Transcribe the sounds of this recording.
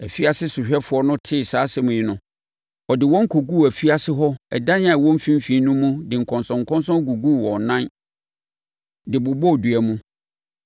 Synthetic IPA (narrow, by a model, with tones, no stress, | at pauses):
æ˨fi˦a˦˨sɪ˦sʊ˨ɕᶣɛ˦fʊ˨ɔ˦nʊ̃˦tʰɪ˦˨saː˨˦sɪ˦mʊ̃˨ɪ˦nʊ̃˦ | ɔ˨dɪ˨wɔ̃˦ŋ̩˦kʰo˨ɡu˦˨æ˨fi˦a˦sɪ˦ɦɔ˦ɛ̰˨dã˦n˦ã˨wɔ̃˦m̩˦fĩ˦m˦fi˨˦nũ˦mũ˦dɪ˨ŋ̩˨kʰɔ̃˨nsɔ̃˨ŋ̩˨kʰɔ̃˦nsɔ̃˦ɡu˨ɡu˦˨wɔ̃˨nã˦n | dɪ˨bʊ˨bɔ˦˨du˨æ˨mũ˦